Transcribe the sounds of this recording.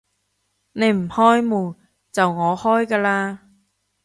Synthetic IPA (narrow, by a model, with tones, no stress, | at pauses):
ne˨˧jm̩˨˩hɔː˥jmuː˨˩ | t͡sɐ˨wŋɔː˨˧hɔː˥jkaː˧laː˧